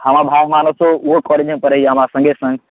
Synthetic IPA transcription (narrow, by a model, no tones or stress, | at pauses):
həmãbʱaːɡmaːnəsoʊɦokɔːled͡ʒənpəɾəiɦəmãsə̃ŋɡʱesə̃ŋɡ